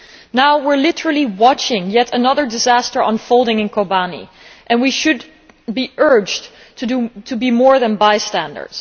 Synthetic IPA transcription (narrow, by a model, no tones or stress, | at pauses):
naʊwɪɹlɪɾə˞l̩ˠiwɑt͡ʃɪ̃ŋjɛɾənʌðə˞dɨzæstə˞ʔə̰̃nfoʊlˠdɪ̃ŋɨ̃nkʰobanḭ | ʔɨ̃nwiʃɨd | biʔɜ˞d͡ʒ | tʰtʰɨbimɔɹðɨ̃nbaɪstæ̃ndə̰˞d̥z̥